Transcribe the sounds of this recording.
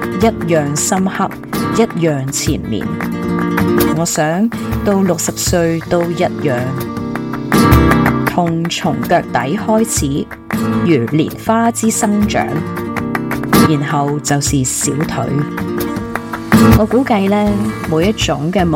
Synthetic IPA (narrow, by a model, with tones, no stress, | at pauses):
jɐ˥t̚jœː˨ŋsɐ˥mhɐ˥p̚jɐ˥t̚jœː˨ŋt͡sʰḭː˨˩nmḭː˨˩n | ŋɔː˨˧sœː˨˥ŋt̪o˧wlʊ˨k̚sɐ˨p̚sɵ˧ɥt̪o˧wjɐ˥t̚jœː˨ŋ | t̪ʰʊ˨˩ŋt͡sʰʊ˨˩ŋkœː˧k̚t̪ɐ˨˥jhɔː˥jt͡sʰiː˨˥ | jyː˨˩lḭː˨˩nfaː˥t͡siː˥sɐ˥ŋt͡ʃœ̰ː˨˥ŋ | jiː˨˩nhɐ˨wt͡sɐ˨wsiː˨˩siː˨˥wt̪ʰɵ̰˨˥ɥ | ŋɔː˨˧kuː˨˥kɐ˧jlɛː˥muː˨˧jɐ˥t̚t͡sʊ˨˥ŋkɛː˧m